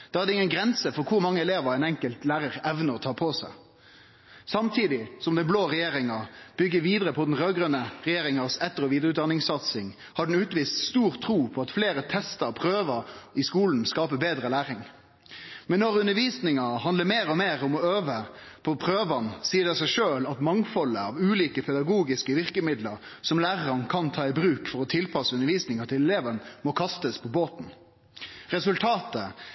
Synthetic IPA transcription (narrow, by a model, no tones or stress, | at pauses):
d̪̥ɑːæɾd̪ɛɪŋːənɡɾɛnsəfɔɾkʰʊɾmɑŋːəɛleːʋəɾæɛɪnɛŋkəlt̪læːɾəɾɛʋnəɾɔt̪ʰɑːpʰɔsæɪ | sɑmt̪ʰiːd̪ɪsɔmd̪ɛnbloːʁɛjeːɾɪŋɑb̥ʏɡːəʋiːd̪əʁəpʰɔd̪n̩ʁøːɡɾənəɾɛjeːɾɪŋɑsɛt̪ːəɾɔʋiːd̪ɾəʉt̪̚d̪ɑnɪŋsɑt̪sɪŋ | hɑɖn̩ʉːt̪ʋiːst̪st̪uːɾt̪ʰɾuːpʰɔɑt̪fleːɾət̪ʰɛst̪əpʰɾøːʋəɪskuːln̩skɑːpəbeːd̪ʁəlæːʁɪŋ | mɛnːɔʁʉnəʋiːsnɪŋɑhɑnd̪əmeːɾɔmeːʁɔmɔøːʋəpʰɔpʰʁøːʋɑnsiːədɖ̪ɛsæɪʂøːlɑt̪mɑŋfɔləɑʋʉːliːkəpʰɛd̪ɑɡuːɡɪskəʋɪʁkəmɪd̪ləɾsɔmlæːʁəɑnkʰɑnt̪ʰɑːɪbʁʉːkfɔɾɔt̪ʰɪlpʰɑsəʉnəɾʋiːsnɪŋət̪ʰɪlɛleːʋənmɔkʰɑst̪əspʰɔboːt̪n̩ | ʁɛsʉlt̪ʰɑːt̪ə